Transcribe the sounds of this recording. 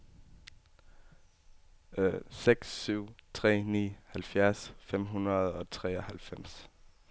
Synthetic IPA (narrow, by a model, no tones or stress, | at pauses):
seɡ̥sːyʊ̰t͡sʰʁɛ̰ːnḭːhælfjæɐsfem̰ɦunʁɐð̞̩ˠɒ̽t͡sʰʁɛ̰ːɒhælfem̰s